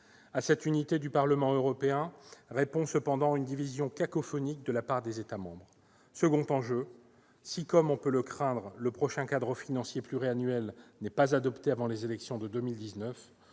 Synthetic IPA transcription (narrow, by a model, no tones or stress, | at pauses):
asɛt̪ynit̪ed̪ypaʁləmɑ̃øʁɔpeɛ̃ʁepɔ̃səpɑ̃d̪ɑ̃aynd̪ivizjɔ̃kakɔfɔnik̚d̪əlapaʁd̪ezet̪amɑ̃bʁ | səɡɔ̃t̪ɑ̃ʒø | sikɔmɔ̃pøləkχɛ̃d̪ʁləpχɔʃɛ̃kad̪ʁəfinɑ̃sjeplyʁeanɥɛlnɛpazad̪ɔpt̪eavɑ̃lezelɛksjɔ̃d̪əd̪əmild̪iznœf